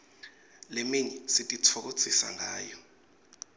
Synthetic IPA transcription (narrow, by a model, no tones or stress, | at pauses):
lemiɲɛsitʼit͡sʰɔk̬o̥t͡sʰisa̰ŋaːjɔ